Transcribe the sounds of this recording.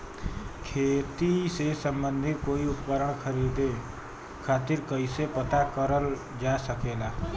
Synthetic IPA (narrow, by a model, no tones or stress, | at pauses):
kʰeːt̪isesə̃mbənd̪ʱɪt̪̚koːiʊppəɾəɳ̃kʰəɾid̪e | kʰaːt̪ɪɾkəɪsepət̪akəɾəl | d͡ʒaːsəkeːlaː